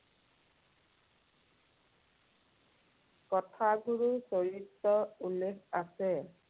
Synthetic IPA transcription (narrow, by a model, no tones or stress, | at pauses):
kɔtʰaɡʱuɹusoɹitːɔulːekʰasɛ